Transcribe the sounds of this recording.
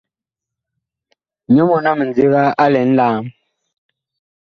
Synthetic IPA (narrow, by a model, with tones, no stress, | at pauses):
ɲo˦mɔ˨na˦˨mə˨n˨d͡zi˦ɣa˦a˦lɛ˨n̩˦laː˦m